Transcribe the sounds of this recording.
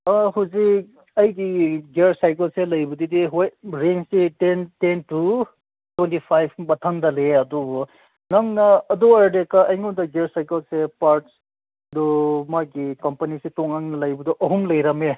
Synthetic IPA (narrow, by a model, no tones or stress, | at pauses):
ʌɦuzi | ɐjɡiɡeɾsajkɐlselɐjbudidiɦojɾensitententu | twentipʰajbʰbɐtʰandɐleɐdɔbɔ | nɐŋnɐːd̪ɔaɾdekaɐjŋodɐɡeɾsajkɐlsepaɾt | dɔmaɡikɐmpɐnisetɔŋaŋnɐlɐjbudɔʔɐɦumlɐjɾɐme